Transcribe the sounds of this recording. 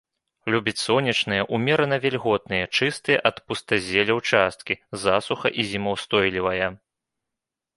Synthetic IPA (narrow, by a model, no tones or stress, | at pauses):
lʲubʲit͡sʲsɔnʲɐt͡ʂnɨjɐʔumʲɛɾɐnɐvʲɛlʲɣɔd̪̚nɨjɐt͡ʂɨst̪ɨjɛʔɐt̪pust̪ɐzʲɛlʲɐwt͡ʂast̪̚kʲizasuxɐ̰ʔizʲimɐwst̪ɔjlʲivɐjɐ